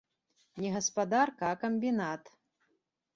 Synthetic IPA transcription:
nʲɛɣɐspad̪arkɐːkɐmʲbʲinat̪

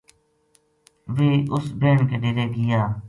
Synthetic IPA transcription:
ʋeːʔʊsbeːɳkeːɖeɾeːɡɪjaː

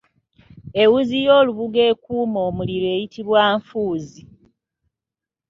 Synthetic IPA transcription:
e̞wuzijo̞ːluβuɡe̞ːkuːmo̞ːmuliɾwe̞ːjitʰiβwaːɱfuːzi

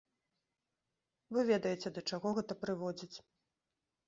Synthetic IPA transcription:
vɨvʲɛd̪ɐjɛt͡sʲɛd̪ɐt͡ʂaɣɔɣɛt̪ɐpɾɨvɔd͡zʲit͡sʲ

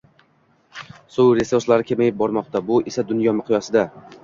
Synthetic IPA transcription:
sʊwɾe̞suɾslaɾɪkʲʰe̞majɪp̚bɒɾmɒqt̪abʊʔɪsad̪ʊnjɒmɪqʰʊjasɪd̪a

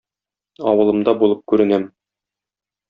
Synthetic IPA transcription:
ɒ̰wɤ̆lˠɤ̆md̪ɑbulˠɤp̚kʉɾɘ̆næm

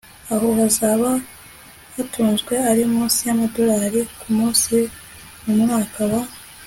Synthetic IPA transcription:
aɦo̞hazaβa | hatʰuːnzɡwe̞aɾimũːnsijamado̞ɾaːɾikumuːnsi | mumŋaːkaβa

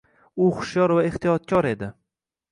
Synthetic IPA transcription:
ʊχʊ̥ʃjɒɾvaeht̪ʰijɒt̪̚kʲʰɒɾe̞d̪ɪ

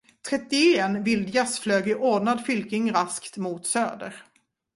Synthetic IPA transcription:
t̪ʰɾɛt̪ːɪeːnvɪld̪jasfløːɡɪʔoːɖɳad̪fʏlkɪŋɾaskt̪muːt̪søːd̪ə̰ɾ

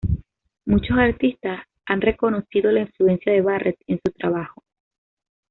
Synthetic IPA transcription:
mut͡ʃo̞saɾt̪ist̪as | anre̞ko̞no̞sið̞o̞laiɱflue̞nsjaðe̞βarʔet̪e̞nsut̪ɾaβ̞axo̞̥

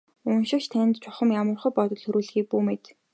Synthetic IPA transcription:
ʊnʃɪ̆kt͡ɕt̪ʰæn̆ʲt̪t͡ɕʰʊχə̆mjamə̆rχɞ̆pɔt̪ɞ̆ɮxɵɾuːɮxiːk̚puːmet̪

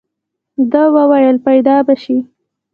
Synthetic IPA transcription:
d̪awəwajəlpajd̪ɑbaʃi

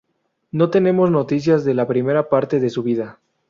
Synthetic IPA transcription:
no̞t̪e̞ne̞mo̞zno̞t̪is̬jazðe̞lapɾime̞ɾapaɾt̪e̞ðe̞suβiða

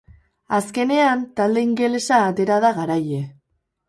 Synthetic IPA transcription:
aske̞ne̞ant̪ald̪e̞iŋɡe̞lesaːt̪e̞ɾað̞aɣaɾaje

